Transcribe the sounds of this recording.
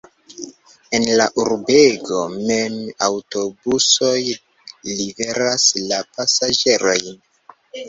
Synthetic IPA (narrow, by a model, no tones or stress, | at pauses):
e̞nlaʔuɾbe̞ɡo̞memawto̞buso̞j | live̞ɾaslapasad͡ʒe̞ɾo̞jn